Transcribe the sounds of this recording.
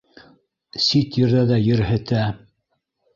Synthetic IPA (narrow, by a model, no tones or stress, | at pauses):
sit̪jɘ̆ɾðæðæjɘ̆ɾɦɘ̆t̪æ